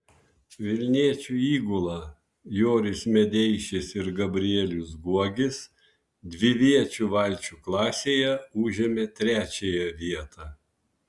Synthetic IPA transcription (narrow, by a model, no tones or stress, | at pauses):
ʋʲɪlʲnʲiɛt͡ʃʲuːiːɡʊlˠɑ | joːɾʲɪsmʲɛd̪ʲɛɪʃʲɪsɪɾɡɐbʲɾʲɪɛlʲʊsɡuɔɡʲɪs | d̪ʲʋʲɪʋʲiɛt͡ʃʲuːʋɐlʲt͡ʃʲuːklˠɑːsʲeːjɛuʒʲɛmʲet̪ʲɾʲæːt͡ʃʲejɛʋʲiɛt̪ɑː